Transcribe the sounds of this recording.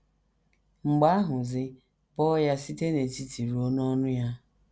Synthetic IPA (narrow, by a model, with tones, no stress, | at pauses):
ŋ͡m̩˨ɡ͡ba˦ɦʊ˨zɪ˦ | bɔ˦ja˦si˦te˦ne˨ti˨ti˨ɾu˨˦o˦n˦ɔ˦nʊ˦ja˦